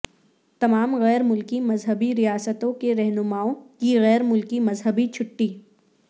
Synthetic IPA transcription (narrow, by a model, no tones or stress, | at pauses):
t̪ɐmaːmɣɛːɾmʊlkimɐzɦəbiɾijaːsət̪õkeɾɛɦnʊmaːõkiɣɛːɾmʊlkimɐzɦəbit͡ʃʰʊʈːi